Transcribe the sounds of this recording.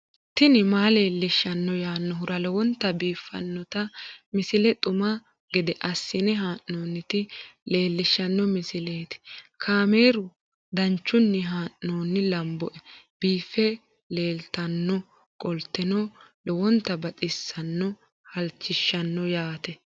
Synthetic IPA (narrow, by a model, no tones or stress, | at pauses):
t̪ɪnɪmaːle̞ːlːɪʃːɐnːɔjaːnːɔɦʊɾɐlɔwɔnt̪ːɐbiːfːɐ̰nːɔt̪ɐmɪsɪlɛt̪ʼʊmɐ | ɡɛd̪ɛʔɐsːɪnɛɦaːʔnoːnːɪt̪ɪle̞ːlːɪʃːɐnːɔmɪsɪleːt̪ɪ̥kʰaːme̞ːɾʊ | d̪ɐnt͡ʃːʊnːɪɦaːʔoːnːɪlɐmbɔʔɛb̥iːfːɛ | leːlt̪ɐnːɔ | kʼɔlt̪ːɛnɔlɔwɔnt̪ːɐbɐt͡sʼɪsːɐnːɔ | hɐlt͡ʃːɪʃːɐnːɔjaːt̪ɛ